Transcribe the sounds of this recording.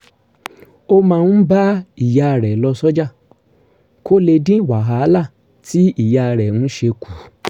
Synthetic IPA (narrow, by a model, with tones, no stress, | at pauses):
o˧mã˧nũ˦ba˦i˨ja˧˨ɾɛ˨lɔ˧sɔ˦d͡ʒa˦˨ | ko˦le˧dĩ˦˨wa˨ɦa˨˦la˦˨ | ti˦i˦˨ja˧ɾɛ˨ũ˨˦ʃe˧kʰu˨